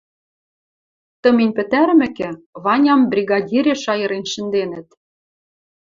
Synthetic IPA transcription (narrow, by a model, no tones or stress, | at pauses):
t̪ɤ̆minʲpɘ̆t̪æɾmɘ̆kĕβɑnʲɑmbrʲiɣɑdʲiɾʲeʃɑjɤ̆ɾenʃɘ̆nd̪enɘ̆t̪